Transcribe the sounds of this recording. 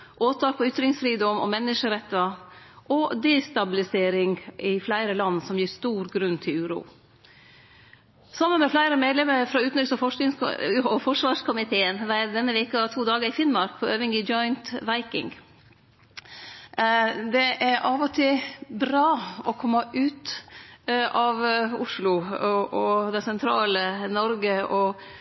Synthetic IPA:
ʔoːt̪ʰɑːk̚pʰɔʏt̪ɾɪŋsfɾiːd̪ɔmɔ̰mɛnːəʂəɾɛt̪ːɑ | ʔɔd̪ɛːst̪ɑbɪlɪseːɾɪŋʔɪflæɪɾəlɑnːsɔmjiːst̪uːɾɡɾʉnːt̪ʰɪlʉːɾṵː | sɑmːənmɛflæɪɾəmeːd̪lɛməɾfɾɔʉːt̪nʏt̪sɔfɔɪŋsɔfɔʂʋɑːʂkʰʊmɪt̪ʰeːənʋæɾd̪ɛnːəʋeːkɑt̪ʰuːd̪ɑːɡəɾɪfɪnmɑɾk̚pʰɔøːʋɪŋɪd͡ʒɔɪnt̪ʋæɪkɪ̰ŋɡ | d̪ɛʔæɾʔɑʋɔt̪ʰɪbɾɑːɔkʰɔmːɑʔʉːt̪ | ɑʋʊʂlʊʔɔd̪ɛsɛnt̪ʰɾɑːlənɔɾɡəɔ

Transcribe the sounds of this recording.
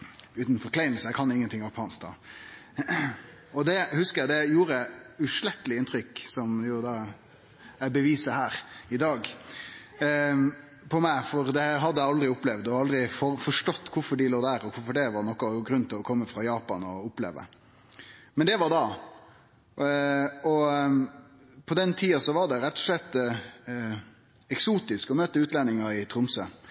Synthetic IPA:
ʉːt̪n̩fɔɾkʰlæɪməsɔjæɪkʰɑnɪŋːənt̪ʰɪŋːɑpʰɑnsk̚d̪ɑ̰ | ɔd̪ɛhʉskəɾjæɪd̪ɛjuːɾəɛʉʂlɛt̪ːəlɪɪnt̪ʰɾʏkːsɔmjʊd̪ɑ | æɪbəʋiːsəhæːɾɪd̪ɑːɡ | pʰɔmæɪfɔɾd̪ɛɦɑd̪ːəjæɑld̪ɾɪʊplɛʋd̪ɔɑld̪ɾɪfɔfɔʂʈɔt̪ːkʰʊɾfɔɖɪloːd̪æɾɔkʰʊɾfɔɖɛʋɑɾnɔkːɔɡɾʉnːt̪ʰɪlɔkʰɔmːəfɾɑjɑːpɑnɔʊplḛːʋə̰ | mɛnd̪ɛʋɑɾd̪ɑ | ɔ | pʰɔd̪ɛnt̪ʰiːɑsɔʋɑɾd̪ɛɾɛt̪ːɔ̥ʂɭɛt̪ː | ɛksuːt̪ɪskɔmøːt̪əʉːt̪lɛnɪŋɑɪt̪ʰɾʊmsə̰

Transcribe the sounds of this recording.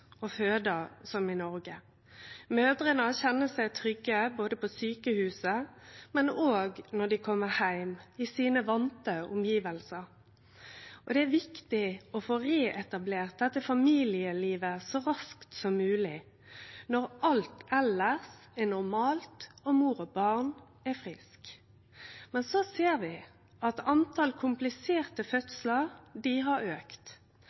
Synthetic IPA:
ɔføːd̪əsɔmɪnɔɾɡə | møːd̪ɾənɑçɛnːəsæɪt̪ʰɾʏɡːəboːd̪əpʰɔsyːkəhʉːsəmɛnoːɡnɔɖ̪ɪkʰɔmːəhæɪmɪsiːnəʋɑnt̪əʊ̰mjiːʋəlsəɾ | ʔɔd̪ɛæʋɪkt̪ɪɔfoːɾeːʔɛt̪ɑbleːʁt̪̚d̪ɛt̪ːəfɑmiːlɪəliːʋəsɔɾɑskt̪sɔmːʉːlɪ | nɔʁʔɑlt̪ʰɛləʁsɛnʊɾmɑːlt̪ɔmuːʁɔbɑʁn | ɛfʁɪsk | mɛnsɔseːʁʋɪ | ɑt̪ɑnt̪ʰɑlkʰʊmplɪseːʁt̪əfœt̪sələʁd̪ɪɦɑɾøːkt̪

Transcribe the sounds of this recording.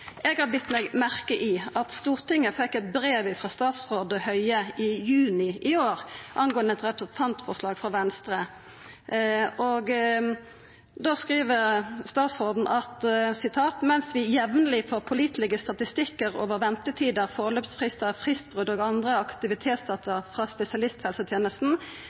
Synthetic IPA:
ʔɛɡhɑʁbʏt̪ːmɛɡmæʁkəʔɪɑt̪st̪uːʁt̪ɪŋːəfɛkːɛt̪bʁeːʋɪfʁɑst̪ɑːt̪sʁoːd̪əhœʏəɪjʉːnɪʔɪoːʁʔɑnɡoːənəɛt̪ʁɛpʁəsn̩t̪ʰɑnt̪fɔʂlɑːɡfʁɑʋɛnst̪ʁə | ɔɡ | d̪oskʁiːʋəʁst̪ɑːt̪sʁoːd̪n̩ʔɑt̪sɪt̪ʰɑːt̪mɛnsʋɪjɛʋnəlɪfoːʁpʰʊliːt̪lɛɡəst̪ɑt̪ɪst̪ɪkːəʁo̰ːʋəʁʋɛnt̪ət̪ʰiːd̪əʁfoʁløːpsfʁɪst̪əʁfʁɪst̪̚bʁʉd̪oːɡɑnd̪ʁəɑkt̪ɪʋɪt̪ʰeːt̪sd̪ɑːt̪ʰəʁfʁɑspɛsɪɑlɪst̪hɛlsət̪ʰjeːnəst̪n̩

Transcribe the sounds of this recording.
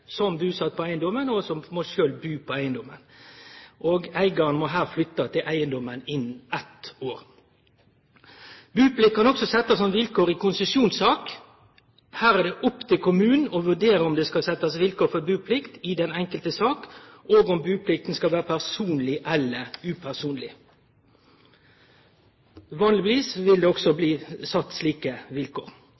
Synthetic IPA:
sɔmbʉːsɑt̪̚ːpɔæɪənd̪ɔmənɔsɔmmɔʃøːlbʉːpʰɔæɪənd̪ɔmə̰n | ʔoːɡæɪɡɑɾənmɔɦæːʁflʏt̪ːɑt̪ʰɪlʔæɪənd̪ɔmənɪnːɛt̪oːɾ | bʉːplɪkʰːɑnɔksɔsɛt̪ːɑsnɔmʋɪlkoːɾɪkʊnsəsjuːnsɑːk | hæːʁæd̪ɛʔʊpːt̪ʰɪlkʊmʉːn̩ɔʋʉɖ̪eːɾəɔmd̪ɛskɑsɛt̪ːɑsʋɪlkoːfɔbʉːpʰlɪkt̪ɪd̪ɛnɛŋkəlt̪əsɑːkoːɡɔmbʉːpʰlɪkt̪n̩skɑlʋæːɾəpʰæʁsuːnlɪʔɛlːəʉːpʰæʁsuːnlɪ | ʋɑːnlɪɪʋiːsʋɪld̪ɛːɔɡsɔbliːsɑt̪ːsliːkəʋɪlko̰ːʁ

